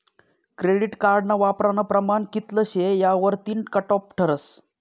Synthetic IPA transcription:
kɾeɽiʈkaɾɖnaʋapɾanəpɾəmankit̪ləɕejaʋəɾt̪iːɳʈkəʈɔpʈʰəɾəs

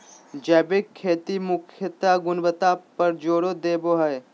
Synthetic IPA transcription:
d͡ʒɛːbekʰːeːt̪imʊkʰjət̪aɡʊnʋət̪apɐɾd͡ʒoːɽod̪eːboːɦəe

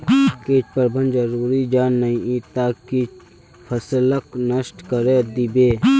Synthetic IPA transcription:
keːt͡ʃpəɾbə̃nd͡ʒəɾuːɾid͡ʒaːnːɐĩit̪aːkit͡ʃ | pʰəsləknəʃʈkəɾed̪ibeː

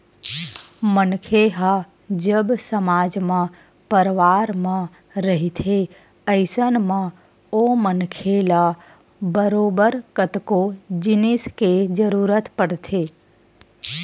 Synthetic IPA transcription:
mənkʰeɦa | d͡ʒəbsəmaːd͡ʒmã | pəɾʋaːɾmã | ɾəɦit̪ʰe | əɪsənmã | omənkʰela | bəɾoːbəɾkət̪kod͡ʒɪnɪsked͡ʒəɾuːɾət̪pəɽt̪ʰeː

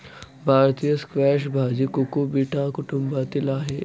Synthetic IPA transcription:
bʱaːɾt̪ijəskʋɛːʃbʱaːd͡ʒikukubiːʈʰakʊʈumbaːt̪ilaːɦe

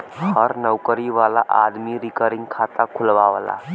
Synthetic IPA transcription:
həɾnəʋkəɾiʋalaʔad̪miɾikəɾiŋɡkʰat̪akʰulʋaʋla̰

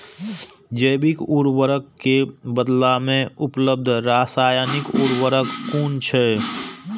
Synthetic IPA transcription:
d͡ʒəːbɪkuːɾwəɾəkːebəd̪lamẽʊpləb̚d̪ʱɾaːsaːjanɪkuːɾwəɾəkːuːnt͡ʃʰɛ

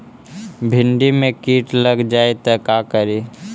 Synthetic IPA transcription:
bʱɪɳɖimẽkiːʈləɡd͡ʒaːet̪ɐkakəɾi

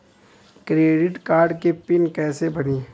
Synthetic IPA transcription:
kɾeːɖɪʈkaːɾɖkepɪnkɛːsebɐniː

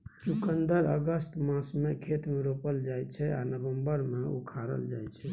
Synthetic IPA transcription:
t͡ʃukənd̪əɾəɡəst̪mãsmekʰet̪meɾopəld͡ʒajt͡ʃʰɛa̰nəbəmbəɾmeṵkʰaɾə̰ld͡ʒajt͡ʃʰɛ

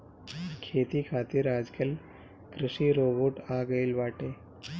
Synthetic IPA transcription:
kʰeːt̪ikʰaːt̪iɾaːd͡ʒkəl | kɾɪʃiɾoːboʈaːɡəilʋaːʈeː

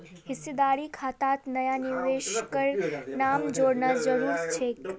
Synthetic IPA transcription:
hɪsːed̪aɾikʰat̪at̪nəjaniʋeʃkəɾnamd͡ʒoɾnad͡ʒəɾuɾt͡ʃʰek

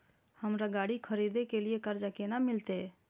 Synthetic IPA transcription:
həmɾaɡaːɽikʰəɾid̪ekeliekəɾd͡ʒakenamɪlt̪e

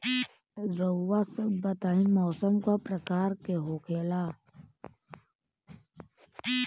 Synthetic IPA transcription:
ɾəːasəbbət̪aːĩmɔːsəmkapɾəkaːɾkeɦoːkeːlaː

